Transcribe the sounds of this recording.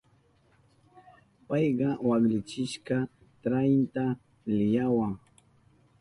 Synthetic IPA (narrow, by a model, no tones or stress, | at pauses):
pɑjɢɑwaɡlɪt͡ʃɪʃkɑ | t̪ɾajnt̪a | lɪjawaŋ